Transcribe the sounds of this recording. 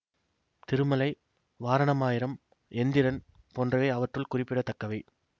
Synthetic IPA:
t̪ɪɾɯmɐlɐɪ | ʋaːɾɐɳɐmaːjɪɾɐm | ɛnd̪ɪɾɐn | poːndrɐʋeːɐʋɐʈrɯlkʊrɪpːɪɽɐt̪ːɐkːɐʋɐɪ

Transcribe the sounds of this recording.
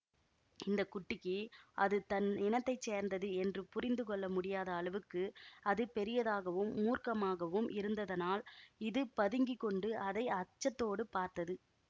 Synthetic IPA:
ɪnd̪ɐkʊʈːɪkːɯɐðɯt̪ɐnɛnɐt̪ːɐɪt͡ʃːeːɾnd̪ɐðɯɛndrɯpʊrɪnd̪ɯkɔɭːɐmʊɽɪjaːðɐːlɐʋɯkːɯɐðɯpɛɾɪjɐðaːɣɐʋɯmːuːrkɐmaːɣɐʋɯmʔɪɾɯnd̪ɐðɐnaːlɪðɯpɐðɯŋɡɪkːɔɳɖɯɐðɐɪɐt͡ʃːɐt̪ːoːɽɯpaːɾt̪ɐðɯ

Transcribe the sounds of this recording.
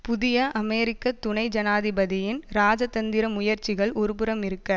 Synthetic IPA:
pʊðɪjɐʔɐmɛːɾɪkːɐt̪ʊɳɐɪd͡ʒɐnaːðɪbɐðɪjɪnɾaːd͡ʒɐt̪ɐnd̪ɪɾɐmʊjɐɾt͡ʃɪɣɐɭɔɾɯpɯɾɐmɪɾɯkːɐ

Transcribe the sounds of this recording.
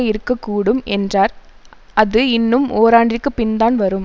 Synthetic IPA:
ɐɪɾɯkːɐkːuːɽɯmɛndraːɾɐðɯɪnːɯmoːɾaːɳɖɪrkːɯpɪnd̪aːnʋɐɾɯm

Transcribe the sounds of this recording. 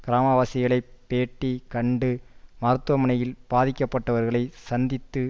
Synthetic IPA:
kɪɾaːmɐʋaːsɪɣɐɭɐɪpːeːʈːikɐɳɖɯmɐɾɯt̪ːɯʋɐmɐnɐjɪlb̥aːðɪkʲːɐpːɐʈːɐʋɐɾɣɐɭɐɪsɐnd̪ɪt̪ːɯ

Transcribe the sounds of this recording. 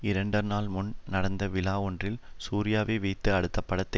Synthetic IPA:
ɪɾɐɳɖɐnaːlmʊnnɐɽɐnd̪ɐʋɪlaːɔɳdrɪl | suːɾɪjaːʋeːʋeːt̪ːɯɐɽɯt̪ːɐpːɐɽɐt̪ːɐ

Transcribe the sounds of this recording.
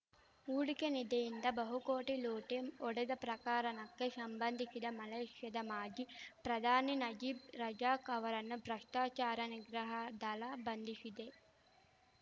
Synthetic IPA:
uːɽikenid̪ɐjind̪ɐbɐɦukoːʈiloːʈemɔɽed̪ɐpɾɐkaːɾɐnɐkːesɐmbɐnd̪ʱisid̪ɐmɐleːʂjɐd̪ɐmaːd͡ʒipɾɐd̪ʱaːninɐd͡ʒiːbɾɐd͡ʒaːkɐʋɐɾɐnːubʱɾɐʂʈaːt͡ʃaːɾɐniɡɾɐɦɐd̪ɐlaːbɐnd̪ʱisid̪e

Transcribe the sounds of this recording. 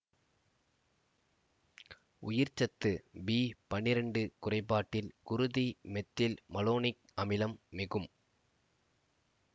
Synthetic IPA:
ʊjɪɾt͡ʃɐt̪ːɯbiːpɐɳːɪɾɐɳɖɯkʊrɐɪpːaːʈːɪlkʊɾʊðimɛt̪ːɪlmɐloːnɪk̚ | ɐmɪlɐmːɪɣɯm

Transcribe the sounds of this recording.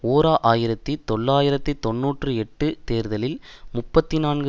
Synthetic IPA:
oːɾaːʔaːjɪɾɐt̪ːit̪ɔɭːaːjɪɾɐt̪ːit̪ɔnːuːʈrɯɛʈːɯt̪eːɾðɐlɪlmʊpːɐt̪ːinaːnɡɯ

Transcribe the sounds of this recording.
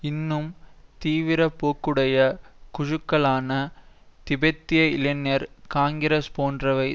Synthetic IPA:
ɪnːɯmt̪iːʋɪɾɐpːoːkːɯɽɐjɐkʊɻɯkːɐɭaːnɐ | t̪ɪbɐt̪ːɪjɐɪlɛnːɐɾkaːŋɡɪɾɐspoːndrɐʋɐɪ

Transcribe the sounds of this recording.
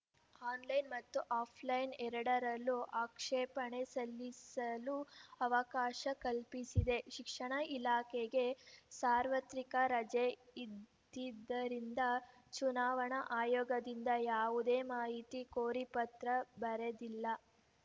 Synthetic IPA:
aːnlɐjnmɐt̪ːuʔaːpʰlɐjnɛɾɐɽɐɾɐlːuʔaːkʂɛːpɐɳesɐlːisɐluɐʋɐkaːʃɐkɐlpisid̪e̞ʃikʂɐɳɐilaːkeɡe̞saːɾʋɐt̪ɾikɐɾɐd͡ʒeid̪ | id̪ːɐɾind̪ɐ | t͡ʃunaːʋɐɳɐʔaːjɔːɡɐd̪ind̪ɐjaːʋud̪eːmaːɦit̪ikoːɾipɐt̪ɾɐbɐɾed̪ilːɐ

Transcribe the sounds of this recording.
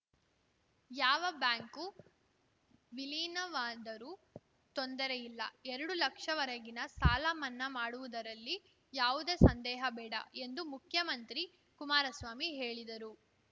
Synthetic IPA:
jaːʋɐbjaːŋku | ʋiliːnɐʋaːnd̪ɐɾu | t̪ond̪ɐɾejilːɐ̰ɛɾɐɽulɐkʂɐʋɐɾɐɡinɐsaːlaːmɐnːɐmaːɽuʋud̪ɐɾɐlːi | jaːʋud̪e̞ːsɐnd̪ɛːɦɐbɛːɽɐ̰ʔe̞nd̪umukʰjɐmɐnt̪ɾi | kumaːɾɐsʋaːmiɦe̞ːɭid̪ɐɾu

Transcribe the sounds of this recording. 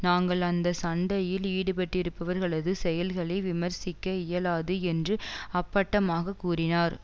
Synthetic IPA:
naːŋɡɐɭɐnd̪ɐsɐɳɖɐjɪliːɽɯpɐʈːɪɾɯpːɐʋɐɾɣɐɭɐðɯsɛjɐlɣɐɭɐɪʋɪmɐɾsɪkːɐɪjɐlaːðɯɛndrɯɐpːɐʈːɐmaːɣɐkːuːrɪnaːɾ

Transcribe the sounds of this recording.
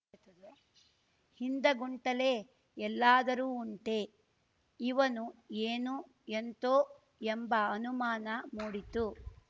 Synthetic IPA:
t̪ɐd̪e | hind̪ɐɡuɳʈɐle̞ː | ɛlːaːd̪ɐɾuːɳʈe̞ | iʋɐnueːnu | ent̪oː | embɐɐnumaːnɐmuːɽit̪u

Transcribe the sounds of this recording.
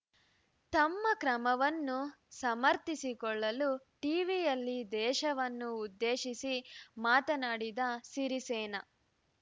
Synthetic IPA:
t̪ɐmːɐkɾɐmɐʋɐnːusɐmɐɾt̪isikɔɭːɐlu | ʈiːʋijɐlːid̪ɛːʃɐʋɐnːuːd̪ːeːʃisimaːt̪ɐnaːɽid̪ɐsiɾiseːnɐ

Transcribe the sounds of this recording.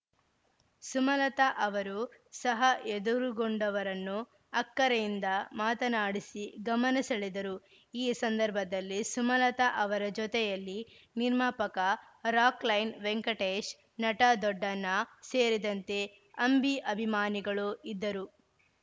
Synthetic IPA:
sumɐlɐt̪ɐʔɐʋɐɾusɐɦɐʔed̪uɾuɡoɳɖɐʋɐɾɐnːu | ɐkːɐɾɐjind̪ɐmaːt̪ɐnaːɽisiɡɐmɐnisɐɭid̪ɐɾu | iːsɐnd̪ɐɾbʱɐd̪ɐlːisumɐlɐt̪ɐʔɐʋɐɾɐd͡ʒɔt̪ɛjɐlːiniɾmaːpɐkɐ | ɾaːklɐjnʋeŋkɐʈeːʃ | nɐʈɐd̪ɔɖːɐnːɐseːɾid̪ɐnt̪e̞ | ɐmbiʔɐbʱimaːniɡɐɭuid̪ːɐɾu

